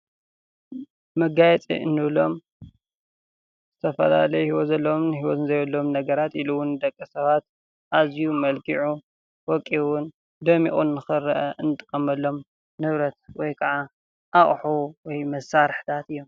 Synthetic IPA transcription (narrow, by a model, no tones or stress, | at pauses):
mɐɡajɛt͡sʼḭɨnːɨβlo̞m | z̥ɨt̪ʰɐfɐla̰lɐjuhiwɔt̪zɐlːomnɦiwɔt̪ɨnzɐjlːomnɐɡɐɾat̪iluwʊnd̪ɐkʼːɨsɐβat̪ | ʔazjumɐlkʰiʕu | wɔkʼːiwʊn | d̪ɐmiχʼunːɨxɨɾɐʔɐʔɨnt̪ʼɨ̥kʼːɐmɐlːo̞m | nɨβɾɐt̪wɔjkʰɐʕa | ʔaχʼħuwɔjmɐsaɾħt̪ʰat̪ɨjːom